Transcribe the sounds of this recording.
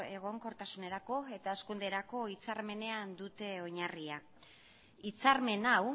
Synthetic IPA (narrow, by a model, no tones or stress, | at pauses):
e̞ɣ̞o̞ŋko̞ɾt̪asune̞ɾako̞e̞t̪aeskund̪e̞ɾako̞it͡saɾme̞ne̞and̪ut̪e̞o̞ɲaria | it͡saɾme̞naw